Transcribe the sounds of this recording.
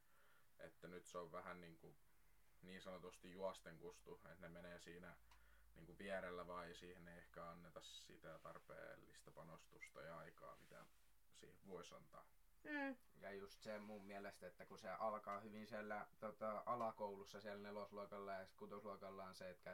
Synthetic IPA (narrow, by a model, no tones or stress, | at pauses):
ḛt̪ːænyt̪seoʋʋæhænniːŋku | niːnsɑnot̪ust̪ijuɑst̪eŋkust̪uet̪nemeneːsiːnæ | niːŋkuʋiærelːæʋɑːeisiːhenːeiehkæɑnːet̪ɑssḭt̪æt̪ɑrpḛːlːist̪ɑpɑnost̪ust̪ɑ̰jɑɑikɑ̰ːmit̪æ̰ | sḭːheʋʋoisɑ̰nt̪ɑ̰ː | jɑjust̪semummiælest̪et̪ːækuseʔɑlkɑːhyʋinsiælːæt̪ot̪ɑʔɑlɑkoulusːɑsiælnelosluɑkɑlːɑjɑskut̪osluɑkɑlːɑːnseet̪kæ